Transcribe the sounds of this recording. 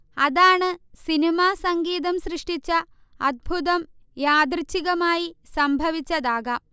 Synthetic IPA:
ɐðaːɳɨsinimaːsɐŋɡiːðɐmɕrɨʂʈit͡ɕːɐ | ɐd̪̚bʱuðɐmjaːd̪rit͡ɕːiɣɐmaːjisɐmbʱɐʋit͡ɕːɐðaːɣɐ

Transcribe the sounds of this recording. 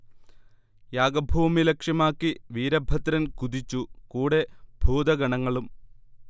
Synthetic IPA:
jaːɡɐbʱuːmilekʂjɐmaːkːiʋiːɾɐbʱɐt̪ɾɐnkud̪it͡ɕːukuːɽe̞bʱuːd̪ɐɡɐɳɐŋːɐɭum

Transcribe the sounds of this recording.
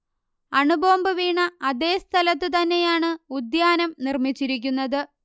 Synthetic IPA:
ɐɳuboːmbɨʋiːɳɐːðe̞ːst̪ʰɐlɐt̪ːɨt̪̬ɐnːe̞jaːɳɨud̪jaːnɐmnirmit͡ɕːiɾikʲːunːɐðɨ

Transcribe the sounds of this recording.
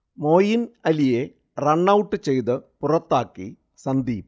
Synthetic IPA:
mo̞ːjinɐlije̞ | rɐɳːɐwuʈːɨt͡ɕe̞jt̪ɨpurɐt̪ːaːkːḭ | sɐnd̪iː

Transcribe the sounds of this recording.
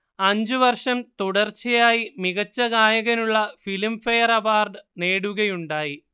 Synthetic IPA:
ɐɲd͡ʑuʋɐrʂɐmt̪uɽɐrt͡ɕɐjaːjimiɣɐt͡ɕːɐɣaːjɐɣɐnuɭːɐfilmfɐjɐrɐʋaːrɖɨne̞ːɽuɣɐjuɳɖaːji

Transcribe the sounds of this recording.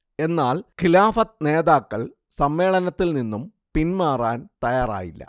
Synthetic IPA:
e̞nːaːlkilaːfɐt̪̚ne̞ːðaːkːɐɭ | sɐmːe̞ːɭɐnɐt̪ːilninːum | pinmaːraːnt̪ɐjaːra̰ːjilːɐ̰

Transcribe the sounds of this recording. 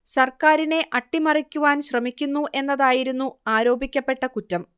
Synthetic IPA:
sɐrkaːɾine̞ʔɐʈːimɐrikʲːuʋaːnɕrɐmikʲːunːuʔe̞nːɐðaːjiɾunːuaːɾo̞ːbikʲːɐpːe̞ʈːɐkutːɐm

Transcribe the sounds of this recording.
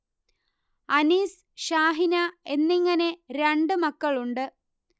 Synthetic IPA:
ɐniːs | ɕaːɦinɐe̞nːiŋːɐne̞ɾeɳɖɨmɐkːɐɭuɳɖɨ

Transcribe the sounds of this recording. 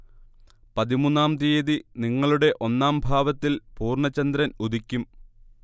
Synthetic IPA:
pɐðimunːaːmt̪̬ieːðiniŋːɐɭuɽe̞ʔo̞nːaːmbʱaːʋɐt̪ːilpuːrɳɐt͡ɕːɐnd̪ɾɐnud̪ikʲːum

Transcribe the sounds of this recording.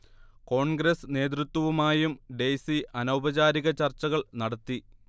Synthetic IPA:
ko̞ːɳɡɾesne̞ːd̪̬ɾut̪wɐʋumaːjumɖe̞siʔɐnɐwbɐt͡ɕaːɾiɣɐt͡ɕɐrt͡ɕːɐɣɐɭnɐɽɐt̪ːi

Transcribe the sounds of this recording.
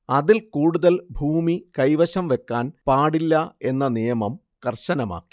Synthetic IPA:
ɐðilkuːɽuðɐlbʱuːmikɐjʋɐɕɐmʋe̞kːaːnpaːɽilːɐe̞nːɐnijɐmɐm | kɐrɕɐnɐma̰ːkːi̥

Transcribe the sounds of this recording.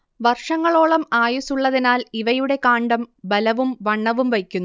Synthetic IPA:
ʋɐrʂɐŋːɐɭo̞ːɭɐmaːjusuɭːɐðinaːliʋɐjuɽe̞kaːɳɖɐmbɐlɐʋumʋɐɳːɐʋumʋɐjkʲːunː

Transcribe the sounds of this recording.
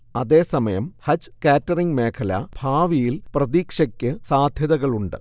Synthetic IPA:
ɐðe̞ːsɐmɐjɐmhɐt͡ɕkaːtːɐriŋɡme̞ːkʰɐlɐ̰bʱaːʋijilprɐðiːkʂɐkʲːɨsaːd̪ʱjɐðɐɣɐɭuɳɖɨ̰

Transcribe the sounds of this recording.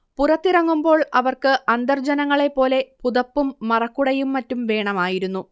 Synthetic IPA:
purɐt̪ːirɐŋːumbo̞ːɭɐʋɐrkɨʔɐnd̪ɐrd͡ʑɐnɐŋːɐɭe̞pːo̞ːle̞puðɐpːumːɐrɐkːuɽɐjumːɐtːumʋe̞ːɳɐmaːjiɾunːu

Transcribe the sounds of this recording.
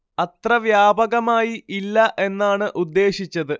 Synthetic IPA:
ɐt̪rɐʋjaːbɐɣɐmaːjiʔilːɐʔe̞nːaːɳɨʔud̪ːe̞ːɕit͡ɕːɐðɨ

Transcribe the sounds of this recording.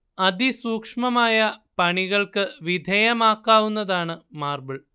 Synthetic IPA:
ɐd̪ʱisuːkʂmɐmaːjɐpɐɳiɣɐɭkɨʋid̪ʱɐjɐmaːkːaːʋunːɐðaːɳɨmaːrbɨɭ

